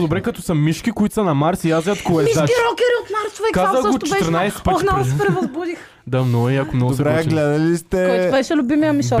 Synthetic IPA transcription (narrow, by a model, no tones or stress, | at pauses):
d̪obɾɛkɐt̪ɔsɐmiʃkʲikoit̪sɐnɐmaɾsiazʲat̪koɛʃaiɾɔkʲɛɾiot̪maɾsʊvɛkazəɡʊt͡ʃ̪t̪ɾnajsɛp̪naɡʊspɾɛvɐzbud̪ix | d̪amnɔiɐkomnɔɡʊsɛɾɛɡlɛd̪ɐlist̪ɛkɔj̪vɛʃɛlʲʊbimijɐmisɔ